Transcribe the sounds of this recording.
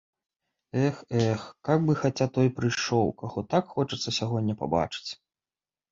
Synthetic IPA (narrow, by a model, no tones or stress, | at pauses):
ɛxɛxkaɡbɨxat͡sʲat̪ɔjpɾɨjʂɔwkaɣɔt̪akxɔt͡ʂɐt̪sːɐsʲaɣɔnʲːɐpa̰ba̰t͡ʂɨ̥t͡sʲ